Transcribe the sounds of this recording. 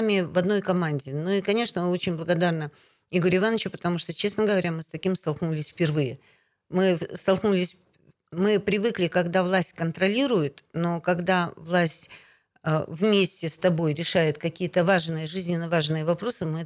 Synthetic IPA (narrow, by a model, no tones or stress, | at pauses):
mʲɪvɐd̪no̞jkɐmanʲdʲɪnuikɐnʲe̞ʂnəo̞t͡ɕɪnʲblˠəɡɐd̪arnə | iɡoɾʲɪvanːət͡ɕʊpə̥t̪ɐmuʂt̪ot͡ɕe̞snəɡəvɐɾʲamɨst̪ɐkʲimst̪ɐlˠknulʲɪsʲfpʲɪrvɨjɪ | mɨst̪ɐlˠknulʲɪsʲ | mɨpɾʲɪvɨklʲɪkɐɡd̪avlˠasʲtʲkənt̪ɾɐlʲiɾʊjɪt̪no̞kɐɡd̪avlˠasʲtʲ | əvmʲesʲtʲɪst̪ɐbo̞jɾʲɪʂajɪt̪kɐkʲijət̪əvaʐnɨjəʐɨzʲnʲɪnːəvaʐnɨjəvɐpɾo̞sɨmɨ